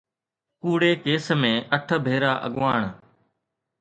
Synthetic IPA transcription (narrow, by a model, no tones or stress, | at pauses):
kuːɽeːkeːsmẽːʔəʈʰəbʱeːɾaːʔə̰ɠʋaːɳ